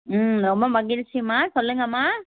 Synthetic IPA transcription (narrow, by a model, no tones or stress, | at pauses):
ɾɔmbɐmɐɣɪlt͡ʃːɪmaːsɔlːɯŋɡɐmaː